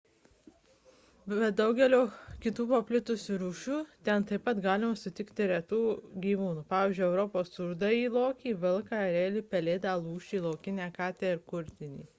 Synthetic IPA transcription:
bʲɛt̪̚d̪ɐʊɡʲɛlʲoːkʲɪt̪uːpopʲlʲɪt̪ʊsʲuɾuːʃʲuːt̪ʲɛnt̪ɐɪpɐt̪ɡɑːlʲɪmɐsʊt̪ʲɪkt̪ʲɪɾʲɛt̪uːɡʲiːʋuːnuːpɑːʋʲiːzʲd͡ʒʲʊɛʊɾɔpoːst̪ʊɾd̪ɑiːlˠoːkʲiːʋʲɪlˠkɑɾʲeːlʲipʲɛlʲeːd̪ɑlˠuːʃʲt͡ʃʲiːlˠoːkʲɪnʲæːkɑːt̪ʲæɪɾkʊɾʲt̪ʲɪnʲḭː

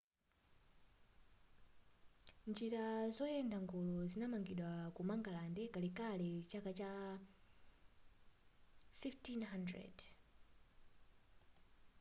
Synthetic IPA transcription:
nd͡ʒiɾazɔjɛndaŋɡɔlɔzinamaŋɡiɗwakumaŋɡalandɛkalikalɛt͡ʃakat͡ʃa | fiftinɦandɾɛ̰d

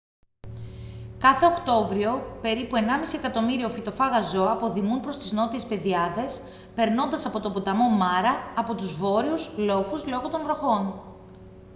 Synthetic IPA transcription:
kɐθe̞o̞kt̪o̞vɾio̞pe̞ɾipue̞nɐmisie̞kɐt̪o̞miɾio̞fit̪o̞fɐɣɐzo̞ɐpo̞ðimunpɾo̞st̪izno̞t̪ie̞spe̞ðiɐðe̞s | pe̞ɾno̞nd̪ɐsɐpo̞t̪o̞but̪ɐmo̞mɐɾɐːpo̞t̪uzvo̞ɾiuzlo̞fuzlo̞ɣo̞t̪o̞nvɾo̞xo̞n

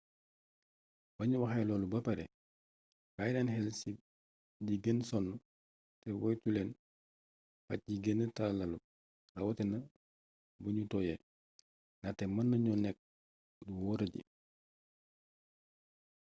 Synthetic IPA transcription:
bɐɲuwɐxɐjlɔːlubɐpɐɾɛ̰ | kajnɛnɦɛlsi | ɟiɡensɔnːu | tɛwɔjtulɛn | fɐ̰c̚ɟiɡenːətɐllɐlu | dɐwɔtɛnɐ | buɲutɔjɛ | nɐtɛmɐnːɐɲɔnɛk̚ | duwɔːɾɐɟḭ

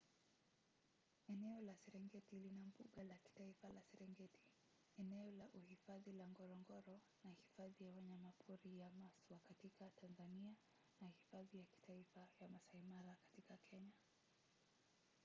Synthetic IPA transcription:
ɛnɛɔlasɛɾɛŋɡɛtilinambuɠalaki̥taifalasɛɾɛŋɡɛti̥ | ɛnɛɔlaʔuhifaðilaŋɡɔɾɔŋɡɔɾɔ | nahifaðijawaɲamapʰuɾijamaswakatikatʰanzania | nahifaðijaki̥taifajamasaimaɾakḁtikakʰɛɲa

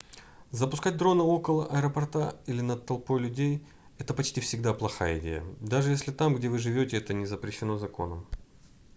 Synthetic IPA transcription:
zəpʊ̥skat̚ʲd̪ɾo̞nɨo̞kəlˠəʔɐɛɾəpɐrt̪ailʲɪnət̪ːɐlˠpo̞jlʲʉdʲej | ɛt̪əpɐt͡ɕtʲifsʲɪɡ̚d̪aplˠɐxajəɪdʲḛjə̰d̪aʐɨjesʲlʲɪt̪amɡdʲe̞vɨʐɨvʲo̞tʲɪɛt̪ənʲɪzəpɾʲɪɕːɪno̞zɐko̞̰nəm

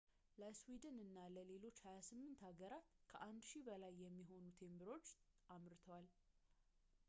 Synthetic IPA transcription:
ləswid̪ɨnɨnːaləle̞lo̞t͡ʃːhajasɨmːɨnt̪haɡəɾat̪kʰəʔand̪ʃibəlajːɛmːiɦo̞nut̪ʰe̞mbɨɾo̞t͡ʃː | ʔamɾt̪ʰəwal

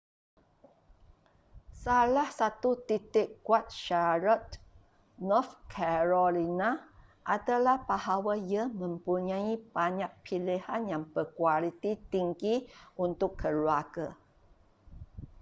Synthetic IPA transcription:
salahsat̪ut̪it̪ɪkːuat̪̚ʃaɾɔt̪̚ | nɔfkʰɛɾolina | ʔat̪alahbahawajəmə̃mpuɲãibaɲaʔpʰilihanjaŋpəkwalit̪it̪iŋɡiunt̪ʊkʰːəluaɡə

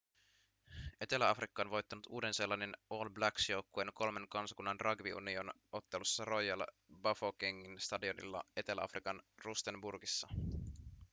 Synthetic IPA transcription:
ʔe̞t̪e̞læɑfrikːɑːnʋo̞jt̪ːɑnut̪uːde̞nselːɑne̞no̞ːlblæksjouwkːuenko̞lme̞ŋkɑnsɑ̥kunːɑnrʔɑɡʋiṵnio̞n | o̞t̪ːe̞lusːɑro̞jɑl | bɑfokiŋːinst̪ɑdionḭlːɑ̰e̞t̪e̞læ̰ɑ̰fɾikɑnrust̪emburɡisːɑ

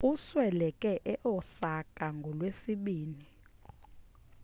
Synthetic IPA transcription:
uswɛlɛkʼɛʔɛʔɔsakʼaŋɡʱɔlwesiɓiːni

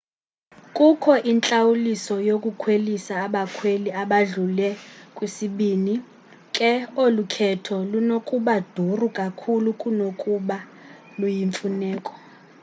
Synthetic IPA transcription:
kʼukʰɔʔint͡ɬʼawulisɔjokʼukʰwelisaːɓakʰweliaɓaɮulɛkʼwisiɓini | kʼɛolukʰɛtʰɔlunokʼuɓad̥ʱurukʼakʰulukʼunokʼuɓa | lujiɱfunɛːkʼɔ̥

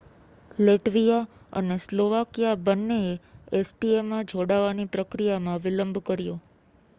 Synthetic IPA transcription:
leʈʋija | ə̰nesloʋakijabənːeeesʈiemãd͡ʒʱoɽaʋanipɾəkɾijamãʋɪləmbʱkəɾjõ

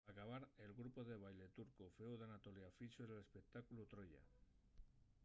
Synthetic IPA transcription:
akaβ̞aɾe̞lɣɾupo̞ðe̞β̞ajle̞t̪uɾkofeuðanat̪o̞ljafit͡ʃoele̞spe̞k̚t̪akulut̪ɾo̞ʎa̰

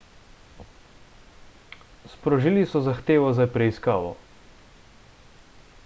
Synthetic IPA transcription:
spɾɔʒilisɔzaxt̪eːʋɔzapɾɛiska̰ːʋɔ̰

